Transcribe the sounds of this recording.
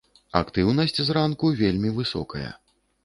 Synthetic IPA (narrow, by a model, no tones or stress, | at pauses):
a̰kt̪ɨwnɐsʲt͡sʲzrankuvʲelʲmʲivɨsɔ̰kɐjɐ̰